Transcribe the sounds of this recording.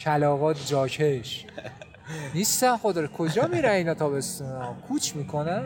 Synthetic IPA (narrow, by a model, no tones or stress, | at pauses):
cʰælɒːɣɒːt̪ʰd͡ʒɒːkʰeʃ | niːst̪ænxod̪ɒːɾkʰod͡ʒɒːmiːɾæniːnɒːt̪ʰɒːbe̞st̪unɒːkʰuːt͡ʃʰmiːkʰo̞næn